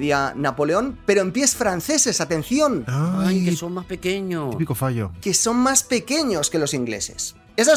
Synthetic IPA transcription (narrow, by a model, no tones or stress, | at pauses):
ðianapo̞leo̞npe̞ɾoempje̞sfɾanθe̞se̞sat̪e̞n̟θjonaajkesommaspekeɲopikofaʝo̰ke̞so̞nmaspe̞ke̞ɲo̞ske̞lo̞siŋɡle̞̰se̞̰s | esa